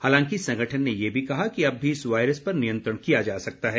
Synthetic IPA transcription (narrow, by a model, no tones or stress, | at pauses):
haːlãːŋkisɐ̃ŋɡʱəʈʰənːejebʱikɐɦakiɐbːʱiɪsʋaːɪɾəspɐɾnijə̃nt̪ɾəɽ̃kijad͡ʒaːsɐk̚t̪aɦɛː